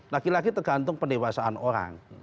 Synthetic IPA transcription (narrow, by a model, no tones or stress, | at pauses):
lakilaɡit̪ərɡ̥a̤nt̪ʊŋpəniwasaanoɾa̰ŋ